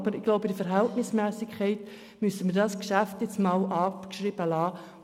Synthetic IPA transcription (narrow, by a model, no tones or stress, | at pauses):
b̥əɾɪɡ̥loʊbəd̥ifəɾɦɛltnɪsmɛːsɪkʰɛɪt | mysəmiːdɑskʃæftjɛt͡smɑːlʔɑːkʃriːb̥əlɑː